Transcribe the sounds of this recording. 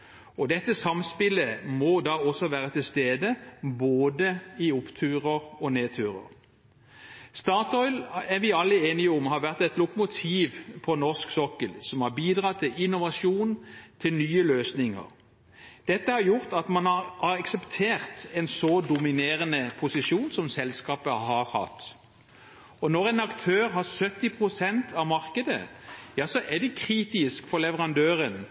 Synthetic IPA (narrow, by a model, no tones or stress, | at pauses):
ɔd̪ɛt̪ːəsɑmspɪləmɔd̪ɑːɔsɔʋæːʁət̪ʰɪlst̪eːd̪əboːd̪əɪʊpt̪ʰʉːʁəʁɔneːt̪ʰʉːʁə̰ʁ | st̪ɑːt̪ɔʏlæʋɪɑlːəeːnɪʊmhɑɾʋæʁt̪ɛt̪lʊkʊmʊt̪ʰiːʋpʰɔnɔʁsksɔkəlsɔmhɑbiːd̪ʁɑːt̪ʰɪlɪnʊʋɑsuːnt̪ʰɪlnyːəløːsnɪŋə̰ʁ | d̪̥ɛt̪ːəhɑɾjʊɾt̪ɑt̪mɑnɑhɑɾɑksɛpt̪ʰeːʁt̪ɛnsɔd̪ʊmɪneːɾənəpʰʊsɪʃuːnsɔmsɛlskɑːpəhɑɾhɑ̰t̪ː | ɔnɔɾɛnɑkt̪ʰøːɾɦɑɾsœt̪ːɪpʰʁʊsɛnt̪ʰɑʋmɑʁkəd̪ə̰jɑːsɔʔɛd̪ɛkʰɾiːt̪ɪskfɔlɛʋəɾɑnd̪øːɾən